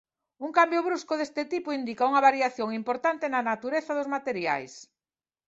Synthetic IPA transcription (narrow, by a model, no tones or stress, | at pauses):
uŋkambjʊβɾuskoðest̪ɪt̪ipʊind̪ikauŋɐβaɾjaθjoŋimpoɾt̪ant̪ɪnɐnat̪uɾeθɐðʊzmat̪eɾja̰js